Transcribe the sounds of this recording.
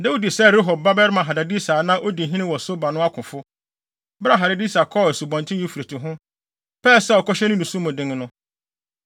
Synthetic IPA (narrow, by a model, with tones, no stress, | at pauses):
nɛ̃˦wo˦di˨sɛ˦˨ɾe˦ɦɔ˨b̚ba˦bɛ˦ɾmã˨ɦa˨da˨di˦saː˨˦nã˦ʔo˦di˨ɦĩ˦nɪ̃˦wɔ˨so˦ba˨nʊ̃˦a˦kʰʊ̃˨fʊ˦ | bɾa˦ɦa˨ɾa˨di˦sa˨kʰɔ˦˨ɛ˨su˨bɔ̃˨ntʰɪ̃˦i˦fu˨ɾe˨tʰʊ˨ɦʊ̃˦ | pɛː˦˨sɛ˦ɔ˨kʰɔ˦ɕɛ˦nʊ̃˦nũ˨sũ˦mʊ̃˨dɪ̃˦ŋ˦nʊ̃˦